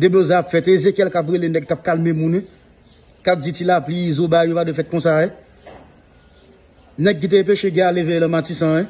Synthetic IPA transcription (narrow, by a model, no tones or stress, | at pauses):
d̪ebozɛ̃apfɛt̪ezekjɛlkap̬ɣelenɛɡ̚t̪ap̚kalmemũn | kap̚d͡zitilaplizobajopadefɛt̪̚kɔ̃saɛ | nɛɡ̚kit̪eẽpeʃeɡɛ̃alevelɐ̃matisɐ̃ɛ